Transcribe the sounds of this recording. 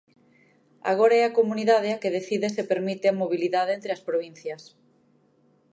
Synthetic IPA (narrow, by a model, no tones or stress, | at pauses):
a̰ɣ̞oɾaɛakomuniðað̞eakeðeθiðesepeɾmit̪eamoβiliðaðeent̪ɾeɐspɾoβ̞in̟θjɐs